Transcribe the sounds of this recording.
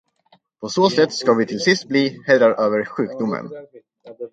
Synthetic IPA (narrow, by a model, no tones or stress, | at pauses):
pʰɔsoːsɛt̪ːskavɪt̪ʰɪlsɪst̪̚bliːhɛjɾaɾʔøːvəɾɧʉ̟ːkd̪ʊmə̰n